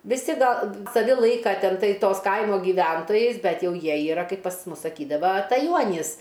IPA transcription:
ʋʲɪˈsʲɪ ˈɡɐlˠ sɐˈʋʲɪ ˈlˠɐɪkɐ ˈtʲɛn ˈtɐɪ ˈtoːs ˈkɐɪmoː ɡʲiːˈʋʲɛntoːjɛɪs ˈbʲɛt ˈjɛʊ ˈjiɛ iːˈrɐ ˈkɐɪp pɐs ˈmʊs sɐˈkʲiːdɐʋɐ ɐtɐˈjuɔnʲiːs

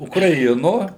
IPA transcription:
ʊkrɐˈɪnoː

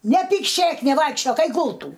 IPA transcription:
nʲɛpʲiːkˈʃʲeːk nʲɛˈʋɐɪkʃʲt͡ʃʲoːk ˈɛɪk ˈɡʊlˠtuː

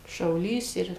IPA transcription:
ʃɐʊˈlʲiːs ˈɪr

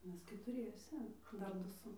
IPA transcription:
ˈmʲɛs kʲɛtʊˈrʲiɛsʲɛ ˈdɐr ˈdʊ ˈsʊ

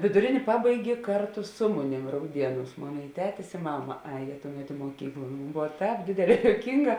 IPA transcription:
ʋʲɪdʊˈrʲeːnʲeː ˈpɑːbɐɪɡʲeː ˈkɐrtʊ ˈsʊ mʊˌnʲeːm rɐʊˈdʲiɛˌnuːs ˈmoːn ɪ ˈtʲæːtʲɪs ɪ ˈmɑːmɐ ˈɑːjeː ˈtʊˌmʲɛt ɪ muɔˈkʲiːklˠ ˈboːw ˈtʲɛːp ˈdʲeːdʲeːˌlʲɛː joːʊˈkʲiːŋˌɡɑː

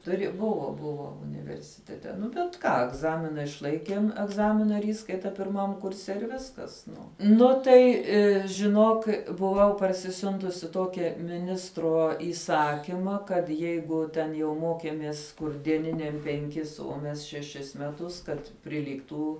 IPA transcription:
tʊˈrʲɪ ˈbʊʋoː ˈbʊʋoː ʊnʲɪʋʲɛrʲsʲɪˈtʲæːtʲɛ ˈnʊ bʲɛt ˈkɑː ɛɡˈzɑːmʲɪnɐ ɪʃˈlˠɐɪkʲeːm ɛɡˈzɑːmʲɪnɐ ˈiːskɐɪtɐ pʲɪrˈmɐm kʊrʲˈsʲɛ ɪr ʋʲɪskɐs ˈnʊ ˈnʊ tɐɪ ʒʲɪˈnoːk bʊˈʋɐʊ pɐrʲsʲɪˈsʲʊntʊsʲɪ ˈtoːkʲɛ mʲɪˈnʲɪstroː iːˈsɑːkʲiːmɐ kɐt ˈjɛɪɡʊ tʲɛn jɛʊ ˈmoːkʲeːmʲeːs kʊr dʲiɛˈnʲɪnʲɛm pʲɛŋʲˈkʲɪs uɔ ˈmʲɛs ʃʲɛˈʃʲɪs mʲɛˈtʊs ˈkɐt pʲrʲɪˈlʲiːktuː

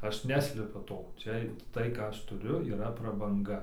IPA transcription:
ˈɐʃ ˈnʲæːsʲlʲɛpʲʊ ˈtoː ˈt͡ʃʲɛ ˈtɐɪ ˈkɑː ˈɐʃ tʊˈrʲʊ iːˈrɐ prɐbɐŋˈɡɐ

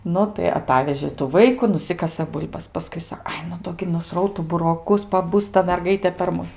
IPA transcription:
ˈnʊ tɐɪ ɐˈtɑːʋʲɛʒʲeː tuː ˈʋɐɪkʊ nʊˈsʲɪkɐsɘ ˈbʊlʲbɐs pɐˈskʊɪ ˈsɐ ˈɐɪ nʊ ˈdoː ɡʲɪ nʊˈsrɐʊtʊ bʊroːˈkʊs pɐˈbʊs tɐ mʲɛrˈɡɐɪtʲeː pʲɛr ˈmʊs

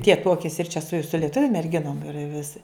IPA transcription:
tʲiɛ ˈtuɔkʲeːsʲɪ ɪr t͡ʃʲɛ sʊ sʊ lʲiɛˈtʊʋʲʊ mʲɛrʲˈɡʲɪnoːm ɪr ʋʲɪˈsʲɪ

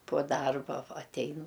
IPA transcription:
poː ˈdɐrbɐ ˈʋɐ ɐtʲˈɛɪn

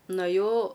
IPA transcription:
nʊɐˈjɛʊ

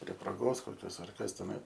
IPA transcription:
pʲrʲiɛ proːˈɡoːs koːˈkʲoːs ɐr ˈkɐs tʲɛˈnɐɪ

